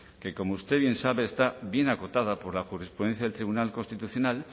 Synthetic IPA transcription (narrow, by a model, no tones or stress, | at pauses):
ke̞ko̞moust̪e̞βje̞nsaβe̞ːst̪aβje̞nako̞t̪að̞apo̞ɾlaxuɾespɾuðen̟θjaðelt̪ɾiβunalko̞nst̪it̪uθjo̞nal